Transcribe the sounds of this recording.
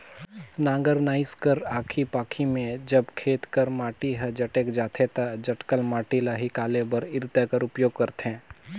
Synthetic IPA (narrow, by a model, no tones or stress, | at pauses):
nãːŋɡəɾnaːɪskəɾaːkʰipaːkʰimẽd͡ʒɐbkʰeːt̪kəɾmaːʈiɦəd͡ʒɐʈeːkd͡ʒaːt̪ʰet̪ad͡ʒɐʈkəlmaːʈilaːɦikaːlebɐɾɪɾt̪əkəɾʊpjoːɡ̚kɐɾt̪ɦɛ̃ː